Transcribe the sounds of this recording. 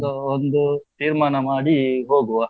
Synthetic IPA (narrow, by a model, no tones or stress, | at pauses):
ond̪ut̪iːɾmaːnɐmaːɽiɦoːɡuʋa